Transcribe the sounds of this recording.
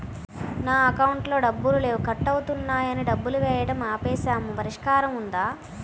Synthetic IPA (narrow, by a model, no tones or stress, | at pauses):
naːɐkɐwuɳʈlo̞ːɖɐbːulule̞ːwukɐʈːɐwut̪unːaːjɐniɖɐbːuluʋɛːjɐɽɐmaːpɛːʃaːmupɐɾiʂkaːɾɐmund̪aː